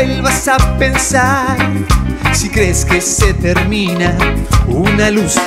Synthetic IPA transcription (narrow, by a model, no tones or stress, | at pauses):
elβasapensaɾ | sikɾeskeset̪eɾmĩnaunalus